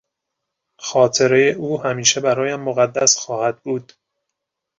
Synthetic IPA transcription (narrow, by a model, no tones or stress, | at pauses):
xɒːt̪ʰe̞ɾe̞jeʔuːhæmiːʃe̞bæɾɒːjæmːoɣæd̪ːæsxɒːhæd̪̚buːd̪̥